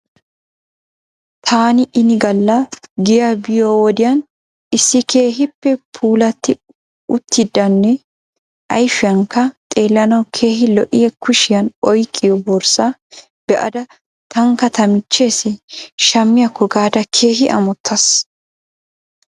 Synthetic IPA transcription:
t̪ʰaːnɪʔɪnɪɡɐlːɐɡɪjabɪjɔwɔd̪ɪjɐn | ɪsːɪkʰe̞ːɦɪpːɛpʰuːlɐt̪ːɪ | ʊt̪ːɪd̪ːɐnːɛ | ʔɐ̰jfɪjɐŋkɐt̪ʼe̞ːlːɐnɐwkʰe̞ːɦɪlɔʔɪjɛkʊʃɪjɐnɔjkʼːɪjɔbɔɾsa | b̥ɛʔɐ̰d̪ɐ | t̪ɐŋkɐt̪ɐmɪt͡ʃːe̞ːsɪʃɐmːɪjɐkːɔɡaːd̪ɐkʰe̞ːɦɪʔɐ̰mɔt̪ʰːɐs

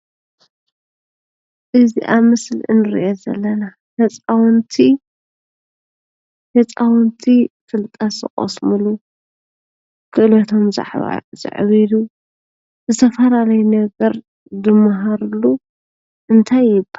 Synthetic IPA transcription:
ʔɨziʔamɨslʔɨ̰nɨɾḭʔozɐ̰lːɐna | hɐt͡sʼawnt̪ʰi | hɐt͡sʼawɔnt̪ʰifɨlt̪ʼɐszɨ̰χʼo̰smɨlu | kʰɨʔɨlot̪ʰomza̰ʕβa̰z̥ɨ̰ʕβid̪u | zɨt̪ʰɐfɐlalɐjunɐɡɐɾ | d̪ɨmːaɦaɾlːu | ʔɨnt̪ʰajːɪba

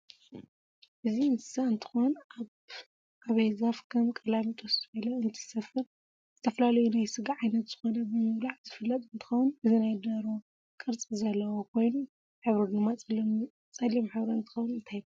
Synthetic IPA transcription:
ʔɨziɨnt̪ʰɨ̥saɨnt̪ʰɨ̥xonaβ | ʔaβejzafkʰɐmkʼɐlamit̪ʼʰosbɐlɐɨnt̪ʰɨ̥sɐfɨɾ | zɨt̪ʰɐfɐlalɐjunajsɨɡaʕajnɐt̪z̥ɨxo̞nɐbɨmɨwlaʕzɨfɨlːɐt̪ʼɨnt̪ʰɨ̥xɐwunʔɨzinajd̪ɐɾo | kʼɨɾt͡sʼizɐlːɐwokʰo̞jnu | ħɨβɾɐd̪ɨmːa | t͡sʼɐlːimħɨβɾɐɨnt̪ʰɨ̥xɐwunɨnt̪ʰajbɐ

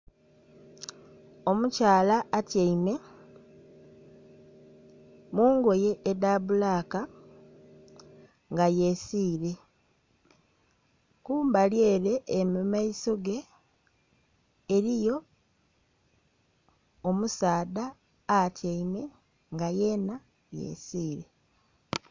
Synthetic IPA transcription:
o̞mucaːlaːtjeime̞ | muːŋɡo̞je̞ʔːdaβulaːka | ŋɡaje̞siːɾe̞ | kuːmbalje̞ːɾe̞ːmimaiso̞ɡe̞ | ɾijo̞ | musaːdaː | tjaime̞ | ŋɡajena | jḛːsiːɾe̞

